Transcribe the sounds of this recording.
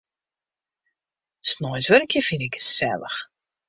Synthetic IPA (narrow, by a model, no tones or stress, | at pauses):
snɔjsʋəɾəkʰjəfinɪkəsɛ̰lə̰x